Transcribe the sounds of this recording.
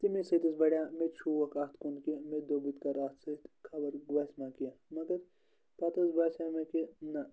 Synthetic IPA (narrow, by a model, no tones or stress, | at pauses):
t̪imisɐt̪ɐsbɐɽʲjamet͡ʃʰuʋɐkɐt̪ʰkunkimed̪oːbit̪kɐɾat̪sɐt̪kʰɐbɐɾɡʋɐsmakijɐmɐɡɐɾ | pɐt̪ɐsbaːsamekinɐ